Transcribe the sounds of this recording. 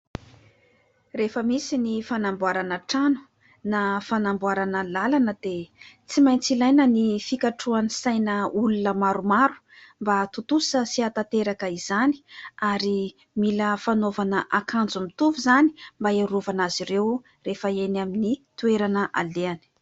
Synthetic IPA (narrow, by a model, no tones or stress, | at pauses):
refəmisinifanambwaɾanəʈ͡ʂanu̥ | nafanambwaɾanəlalanəd̪et͡simajnt͡silajnənifikaʈ͡ʂuanisajnəulunəmaɾumaɾu̥ | mbat̪ut̪usəsiat̪at̪eɾakəiz̥ani̥aɾi | miləfanovanəʔakand͡zumit̪uvuzani̥mbaeɾuvanaziɾew | refəenaminit̪ueɾanəʔa̰leani̥